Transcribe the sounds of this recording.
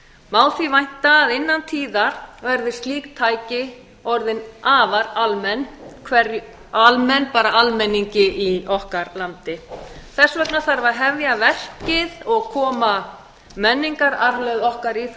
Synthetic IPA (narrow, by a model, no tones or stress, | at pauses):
maːwθivajn̥t̪aːðɪnːant̪ʰiːðaɾ̥vɛɾðɪ̥st̪liːk̚t̪ʰaːjcɪ | ɔɾðɪnaːvaɾalmɛnːkʰvɛɾ | almɛnpaːɾaalmɛnːiɲcɪʔiɔhkaɾlant̪ɪθɛsːvɛknaθaɾvaɾɦɛvjavɛr̥cɪðɔɣkʰɔːma | mɛnːiŋkaɾaɾhlœɥðɔhkaɾiθ